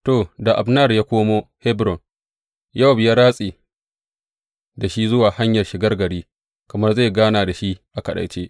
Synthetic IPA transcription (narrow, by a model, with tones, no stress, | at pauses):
to˨da˨ʔa˨bnɐ˦˨rjaː˦kʷoː˦moː˦hɛ˦bɾɔ˨n | ja˦˨bɪ˨ja˦ɾaː˦sʼiː˨ | da˨ʃi˦zʊ˦waː˨ha˦ɲjɐ˨rʃɪ˨ɡɐ˦rɡɐ˨ɽiː˦ | kɐ˨mɐ˦rza˦˨ɡaː˦naː˨da˨ʃi˦ʔʔa˨kɐ˨ɗɐ̰˨jt͡ʃeː˦ʔ